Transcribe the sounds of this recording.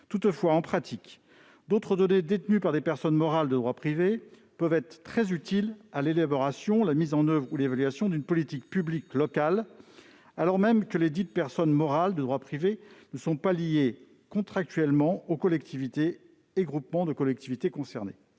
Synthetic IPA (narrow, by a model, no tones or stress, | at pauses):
t̪ut̪fwaɑ̃pχat̪ʰik | d̪ot̪χəd̪ɔned̪et̪nypaʁd̪epɛʁsɔnmɔʁald̪əd̪ʁwapχive | pœvɛt̪χət̪χɛzyt̪ilalelabɔʁasjɔ̃lamizɑ̃nœvʁulevalɥasjɔ̃d̪ynpɔlit̪ik̚pybliklɔkal | alɔʁmɛmkəled̪it̪əpɛʁsɔnmɔʁald̪əd̪ʁwapχivenəsɔ̃palije | kɔ̃t̪χak̚t̪ɥɛlmɑ̃okɔlɛk̚t̪ʰivit̪eː | ɡʁupmɑ̃d̪əkɔlɛk̚t̪ivit̪ekɔ̃sɛʁnḛ